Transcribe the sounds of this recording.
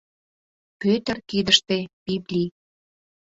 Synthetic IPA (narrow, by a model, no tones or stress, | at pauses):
pøt̪ə̆rkid̪əʃt̪epiblʲi